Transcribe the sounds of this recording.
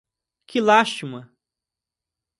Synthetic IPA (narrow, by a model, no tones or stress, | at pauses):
kʰɪlaʃt͡ʃimɐ